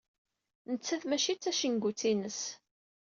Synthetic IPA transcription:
nət͡sːæðmæʃit͡sːæʃəŋɡʷut͡sːinəs

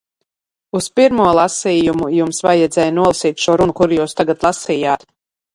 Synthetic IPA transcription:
uspiɾmuɔlˠasiːjumujumsvajɛd̪zɛːjnuɔlˠasiːt̪ʲʃuɔɾunkuɾjuːst̪aɡat̪lˠasiːjaːt̪

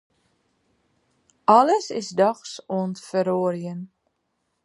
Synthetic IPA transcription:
ʔɑləsɪsdɑxsoəntfəɾoːrjən

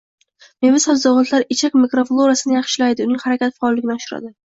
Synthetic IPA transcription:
mevɪsad̪ɒwɒt̪laɾɪt͡ʃʰakmikɾoflˠoɾasɪnɪjɑχʃɪlajd̪ɪʊnɪŋhaɾakʲat̪faɒlːɪɡʲɪnɪɒʃʊɾa̰d̪ɪ

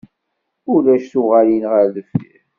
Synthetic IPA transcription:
ʊlæʃθʊʁæjənʁəɾðəfḭɾ

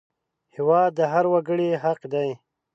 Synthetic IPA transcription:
hiwɑːd̪əɦaɾwaɡəɽeɦaqd̪aj

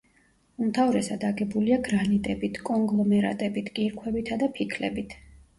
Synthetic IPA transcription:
umt̪ʰavɾɛsad̪aɡɛbuliaɡɾanit̪ʼɛbit̪ʰkʼɔŋɡlˠɔmɛɾa̰t̪ʼɛbit̪ʰɡʼiɾkʰwɛbit̪ʰad̪apʰikʰlɛbit̪ʰ

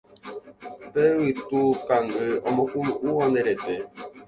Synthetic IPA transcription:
pɛwitukaŋɡəɔmɔkumuɔnɛɾɛtɛ

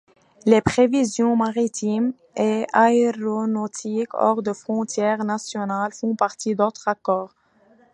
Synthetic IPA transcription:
lepχevizjɔ̃maʁit̪ʰim | eaeʁonot̪ʰikɔ̰ʁd̪əfχɔ̃t̪jɛʁnasjɔnalfɔ̃paʁt̪id̪ot̪χakɔːʁ

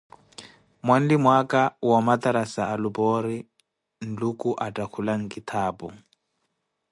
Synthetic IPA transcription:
mwan̩dimwakʼawamat̪aɾasaːlubɔɾi | n̩lukʼuʔatʼakʰulaŋ̩kʼit̪ʰaːbu

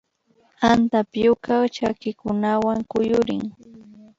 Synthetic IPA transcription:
ant̪apjʊkawt͡ʃakɪkʊnawaŋkʊjʊɾɪ̰ŋ

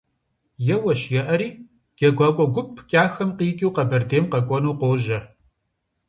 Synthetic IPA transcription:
jɛwɐʃjɛʔɐɾiː | ɡ̥ɐɡʷaːkʷʼɔɡʷʊpʰkʼaːxɐmqiːkʲʼiwqɐbɐrdeːmqɐkʷʼɔnuːqʷoːʒɐ

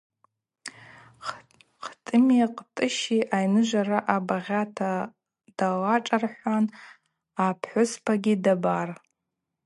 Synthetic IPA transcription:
qʰtʼɨmjaqʼtʼɨʃiʔajnɨʒʷaraʔabaʁʲatʰa | d̥alaʈ͡ʂʼarħʷan | apʰħʷʊspʰaɡʲidabar

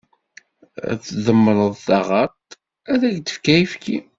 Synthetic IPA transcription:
θðəmːɾˤəðˤθɑʁɑt̪ | æðæʝd̪ə̥fkæjifki

